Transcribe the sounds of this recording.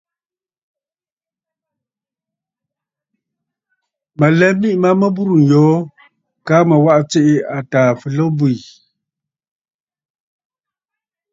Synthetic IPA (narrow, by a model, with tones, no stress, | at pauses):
mə˨lɛ˦mi˦ʔma˦mə˦bu˦ɾu˨n̩˨jɔː˨˦ | ka˦mə˨wa˦ʔt͡se˦ʔɪ˦a˨taː˨fɨ˨lə˦bu˦˨i˨